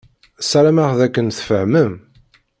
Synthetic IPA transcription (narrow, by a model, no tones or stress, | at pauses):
sæɾæmaʁðækːənθfəhməm